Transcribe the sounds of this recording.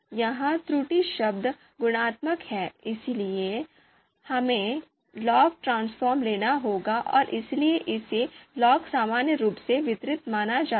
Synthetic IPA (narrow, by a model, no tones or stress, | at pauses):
jɐɦãt̪ɾuːʈiʃɐb̚d̪ | ɡʊɽ̃aːt̪məkhɛːɪslie | hɐmẽ | lɔːk̚ʈɾãːnsfɔːɾmleːnaɦoːɡaʔɔ̰ːɾʔɪslieʔɪselɔːksaːmaːnjəɾuːpseʋɪt̪ɾɪt̪maːnad͡ʒaː